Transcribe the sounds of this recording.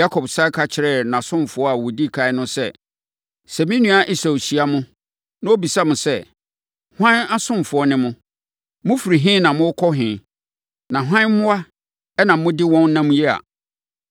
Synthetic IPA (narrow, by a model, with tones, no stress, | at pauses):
a˦kʰɔ˨bsa˦kʰa˨t͡ɕʰɪ˨ɾɛ˦˨nã˨sʊ̃˦mfʊ˨ɔ˦a˨wɔ˨di˦˨kʰa˨ɪ˦nʊ̃˦sɛ˦ | sɛ˨mɪ̃˦nũ˦a˨ʔi˦sa˨ɕi˨a˦mʊ̃˦ | nã˦o˦bi˨sa˦mʊ̃˨sɛ˦˨ | hã˦na˦sʊ̃˦mfʊ˨ɔ˦nɪ̃˦mʊ̃˦ | mʊ̃˦fi˨ɾi˨ɦɪ̃˦nã˨mʊ̃˦kʰɔ˦ɦɪ̃˨ | nã˨ɦã˦n˦mʊ̃˦a˦ | ɛ˦nã˨˦mʊ̃˦dɪ˦wɔ̃˦n˦nã˦mũ˦jɛ˦a̰˨